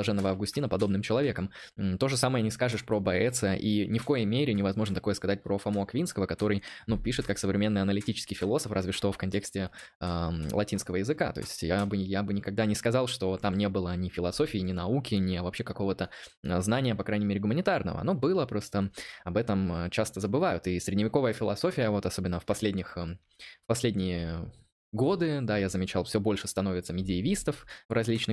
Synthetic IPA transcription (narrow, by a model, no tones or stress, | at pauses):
ɐʐɛnːəvəɐvɡʊsʲtʲinəpɐd̪o̞bnɨmt͡ɕɪlˠɐvʲekəm̩t̪o̞ʐɨsaməjənʲɪskaʐɨʂpɾobɐɛt̪sɨjəʔinʲɪfko̞jmʲeɾʲɪnʲɪvɐzmo̞ʐnət̪ɐko̞jəskɐzat̚ʲpɾofɐmoɐkvʲinskəvəkɐt̪o̞ɾɨjnupʲiʂɨt̪kaksəvɾʲɪmʲe̞nːɨɐnəlʲɪtʲit͡ɕɪ̥skʲɪjfʲɪlˠo̞səfrʔazvʲɪʂt̪o̞fkɐnʲtʲeksʲtʲɪəlˠɐ̰tʲinskəvəjɪzɨka̰t̪o̞̰ɪ̰sʲtʲjabɨjabɨnʲɪkɐɡ̚d̪anʲɪskɐzɑlˠʂt̪o̞t̪amnʲe̞bɨlˠənʲɪfʲɪlˠɐso̞fʲɪːɪnʲɪnɐukʲɪnʲɪɐvɐpɕːe̞kɐko̞vət̪əznanʲɪjəpɐkɾajnʲɪmʲeɾʲɪɡʊmənʲɪt̪arnə̰və̰ɐ̰no̞bɨlˠəpɾo̞st̪əɐbɛt̪əmət͡ɕast̪əzəbɨvajʊt̪ɪsʲɾʲɪdʲnʲɪvʲɪko̞vəjəfʲɪlˠɐso̞fʲɪjəvo̞t̪ɐso̞bʲɪnːəfpɐsʲlʲedʲnʲɪxə | fpɐsʲlʲedʲnʲɪjɪ | ɡo̞d̪ɨd̪ajazəmʲɪt͡ɕalˠfsʲobo̞lʲʂɨst̪ɐnovʲɪt̪səmʲɪdʲɪːvʲist̪əfvrɐzʲlʲit͡ɕnɨ